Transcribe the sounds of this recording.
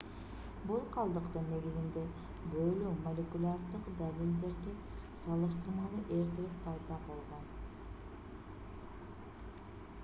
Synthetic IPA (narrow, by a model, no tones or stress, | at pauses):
bulˠqʰɑlˠd̪ɯqt̪ɯnːe̞ɡizind̪e̞ | bølymolʲekulʲard̪ɯqd̪alʲild̪e̞ɾd̪i | sɑlˠɯʃt̪ɯɾmɑlˠɯʔe̞ɾt̪eɾippʰɑjd̪ɑbo̞lˠʁo̞n